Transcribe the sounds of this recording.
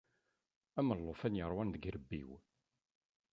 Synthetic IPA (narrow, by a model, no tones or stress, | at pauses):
æməlˤːofænjəɾˤwænðəɡɾəbːḭw